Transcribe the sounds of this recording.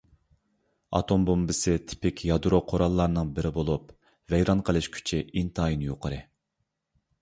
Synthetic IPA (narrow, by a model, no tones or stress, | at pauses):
ɑ̰t̪ʰombombɪsɨt̪ʰɪ̥pɪkʲjɑd̪uɾoqʰoɾɑlˠːɑɾnɨŋbɪɾɪbolˠup | vɛjɾɑnqʰəlˠɨʃkʲʰy̥t͡ʃʰiʔint̪ʰɑːjinjoqʰəɾɨ